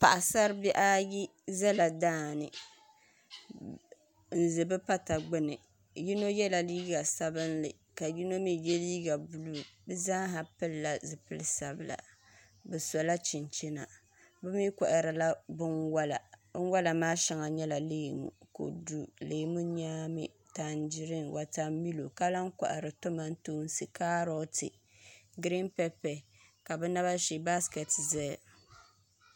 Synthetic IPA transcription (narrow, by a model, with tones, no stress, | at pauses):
pa˨ʔa˨sa˦ɾbɛ˦ʔa˦ji˦za˦la˨daː˦˨nɨ˨ | n̩˨zɨ˨bɨ˦pa˦ta˨ɡ͡bɨ˦nɨ˨ | ji˦no˦jɛ˦la˨liː˦ɡa˨sa˦bɨ˦nlɨ˨ | ka˨ji˦no˦mi˦jɛ˦li˦ɡa˨bu˨lu˦˨bɨ˦zaː˦ɦa˨pɨ˦lːa˦zɨ˨pɨ˦lɨ˦sa˨bɨ˨la̰˨ | bɛ˨sɔ˨la˦t͡ʃɪ˨nt͡ʃi˦na˨ | bɨ˦mi˦ka˨ʔɪ˨ɾɨ˨la˦bɨ˦nwa˦la˨ɨ˦n˦wa˦la˨maː˦ʃɛ˨ŋa˨ɲɛ˦la˨leː˦mṵ˨ko̰˨du˦leː˨mu˦ɲaː˦mɨ̰˦ | ta˨n˦d͡ʒi˦ɾɨ˦ŋwʔa˨ta˦mi˦lo˨ka˦la˦ŋka̰˨ʔɨ̰˨ɾɨ˨to˦ma˦n˦tuː˦n˦si˨ka˦ɾɔ˦tɨ̰˨ | ɡɾi˦mpɛ˦pɛ˨ | ka˨bɛ˦na˦βa˦ʃi˨ba˦skɛ˨tzɛ˦˨